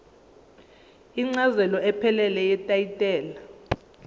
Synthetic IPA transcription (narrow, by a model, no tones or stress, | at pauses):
iŋ͡ǀazɛlɔɛpʰɛlɛlɛjɛtʼaitʼɛːla